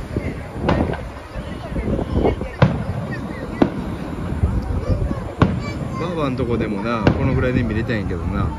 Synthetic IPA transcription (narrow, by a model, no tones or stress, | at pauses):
baːbant̪o̞kod̪e̞mo̞nako̞no̞ɡɯ̟ɾaid̪emʲiɾet̪aĩŋke̞d̪o̞na